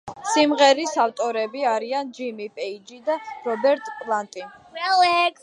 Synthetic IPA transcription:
simʁɛɾisaft̪ʼɔɾɛbiaɾiand͡ʒimipʼɛid͡ʒid̪aɾɔbɛɾt̪ʼpʼlˠant̪ʼiɛlɛk

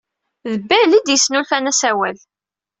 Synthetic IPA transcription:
ðəbːælid̪jəsːnulfænæsæwæl

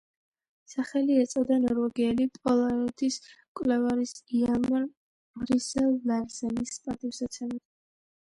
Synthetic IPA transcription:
saχɛliɛt̪sʼɔd̪anɔɾvɛɡiɛlipʼɔlˠaɔt̪ʰiskʼwlɛvaɾisialma | mɾisɛlːalzɛnispʼat̪ʼivsat̪sʰɛmit̪

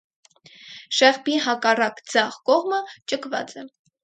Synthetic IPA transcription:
ʃɛʁbiɦɑkɑrɑkd͡zɑʁkɔʁmət͡ʃəkʰvɑ̰t͡sɛ

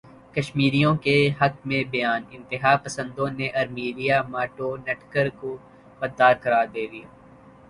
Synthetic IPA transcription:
kɐʃmiːɾijõkeɦɐk̚mẽbɐjaːnɪ̃nt̪ɪɦaːpɐsə̃nd̪õneʔɐɾmiːɾijamaːʈoːnɛʈkəɾko | bɐd̪ːaːɾkɐɾaːɾd̪eːd̪ijaː

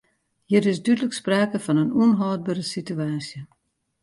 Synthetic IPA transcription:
hiəɾɪsdydələkspraːkəfɔnənunɦɔːd̚bərəsityaːsjə

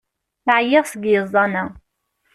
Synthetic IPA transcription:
θʕjɪʁsəɡjəzˤːɑnæ

